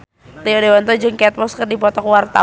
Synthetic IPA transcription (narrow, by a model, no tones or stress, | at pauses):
t̪iodewant̪ɔd͡ʒɨŋkɛt̪̚pɔskərdipɔt̪ɔkwart̪a̰